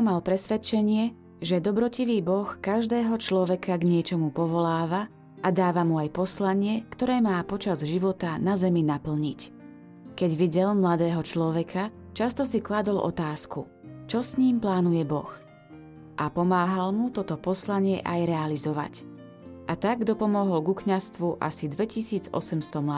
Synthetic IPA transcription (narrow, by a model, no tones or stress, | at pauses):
malpɾɛsʋɛt͡ʃɛɲɪɛ | ʒɛd̪ɔbɾɔciʋiːbɔxkaʒd̪ɛːɦɔt͡ʃlɔʋɛkaɡɲɪɛt͡ʃɔmupɔʋɔlaːʋa | ʔad̪aːʋamuajpɔslaɲɪɛkt̪ɔɾɛːmaːpɔt͡ʃazʒiʋɔt̪anazɛminapl̩ɲic | kɛɟʋiɟɛlmlad̪ɛːɦɔt͡ʃlɔʋɛkʰa | t͡ʃast̪ɔsiklad̪ɔlʔɔ̰t̪aːsku | t͡ʃɔsɲiːmplaːnujɛbɔ̰x | ʔapɔmaːɦalmut̪ɔt̪ɔpɔslaɲɪɛʔajɾɛalizɔʋa̰c | ʔat̪aɡ̚ɡd̪ɔpɔmɔɦɔlɡukɲast̪ʋuʔa̰sid̪ʋɛcisiːd͡zɔ̰sɛmst̪ɔmla